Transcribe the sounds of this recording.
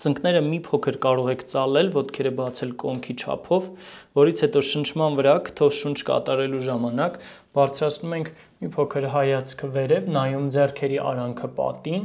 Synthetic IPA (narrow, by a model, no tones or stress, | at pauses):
t͡səŋknɛɾəmipʰɔkʰəɾkɑɾɔʁɛkʰt͡sɑlɛlvɔt̪kʰɛɾəbɑt͡sʰɛlkɔŋkʰit͡ʃʰɑ̰pʰɔvvɔɾit͡sʰhɛt̪ɔʃənt͡ʃʰmɑnvəɾɑkʰə̥t̪ʰɔvʃunt͡ʃʰkɑ̰t̪ɑɾɛluʒɑmɑnɑk | b̥ɑɾt͡sʰɾɑt͡sʰnumɛŋkʰ | mipʰɔkʰəɾɦɑjɑt͡sʰkʰəvɛɾɛvnɑjumd͡zɛrkʰɛɾiʔɑ̰ɾɑŋkʰəpɑ̰t̪in